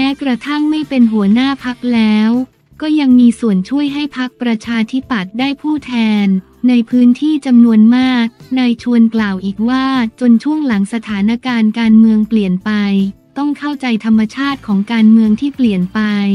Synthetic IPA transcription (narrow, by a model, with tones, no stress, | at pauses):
mɛː˦˥kɾa˧t̪ʰa˥˩ŋma˥˩jpe˧nɦu˩˦ənaː˥˩pʰa˦˥k̚lɛː˦˥w | kɔː˥˩ja˧ŋmiː˧su˨˩ənt͡ɕʰu˥˩əjɦa˥˩jpʰa˦˥k̚pɾa˧t͡ɕʰaː˧t̪ʰi˦˥pa˨˩t̪̚daː˥˩jpʰuː˥˩t̪ʰɛː˧nː | a˧jpʰɯː˦˥nt̪ʰiː˥˩t͡ɕa˧mnu˧ənmaː˥˩k̚na˧jt͡ɕʰu˧ənklaː˨˩wʔiː˨˩k̚waː˥˩t͡ɕo˧nt͡ɕʰu˥˩əŋla˩˦ŋsa˧t̪ʰaː˩˦na˧˥kaː˧nkaː˧nmɯ˧əŋpli˨˩ənpa˧jt̪ɔ˥˩ŋkʰa˥˩wt͡ɕa˧jt̪ʰa˧mːa˧t͡ɕʰaː˥˩t̪̚kʰɔː˩˦ŋkaː˧nmɯ˧əŋt̪ʰiː˥˩pli˨˩ənpa˧j